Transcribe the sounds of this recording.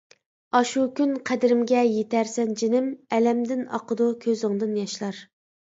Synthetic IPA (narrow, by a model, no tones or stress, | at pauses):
ɑʃukʲynqʰæd̪ɪɾɪmɡʲɛjet̪æɾsɛnd͡ʒinɪmɛlɛmd̪ɪnɑ̰qʰəd̪ukʲʰøzɪŋd̪ɨnjɑʃlˠɑɾ